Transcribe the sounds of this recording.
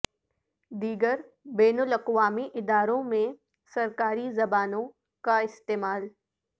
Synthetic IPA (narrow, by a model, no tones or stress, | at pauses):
d̪iːɡəɾ | bɛːnʊlɐqwaːmiʔɪd̪aːɾõmẽ | sɐɾkaːɾizɐbaːnõ | kaɪst̪eːmaːl